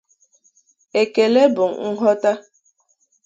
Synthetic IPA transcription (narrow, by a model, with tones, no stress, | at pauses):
e˨ke˨le˦bʊ˨ŋ̩˨ŋ̩˦ɦɔ˦ta˦